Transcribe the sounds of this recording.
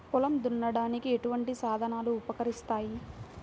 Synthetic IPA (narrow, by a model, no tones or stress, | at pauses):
kulɐmd̪unːɐɽaːnikieʈuʋɐɳʈisaːd̪ʱɐnaːluːpɐkɐɾist̪aːji